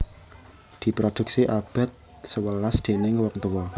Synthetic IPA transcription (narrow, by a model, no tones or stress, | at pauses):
d̪̥i̤pɾod̪̥ṳk̚siʔab̥a̤t̪̚ | səwəlasd̪̥e̤nɪŋwək̚t̪əwɔ